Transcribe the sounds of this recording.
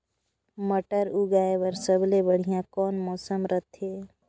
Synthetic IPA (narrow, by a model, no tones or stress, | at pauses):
məʈəɾuɡaːewəɾsəblebəɽ̤ijãkɔːnmɔːsəmɾət̪ʰɦeː